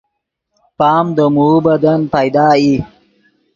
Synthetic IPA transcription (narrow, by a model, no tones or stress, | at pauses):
pɑːmd̪əmubɐd̪anpajd̪ɑːi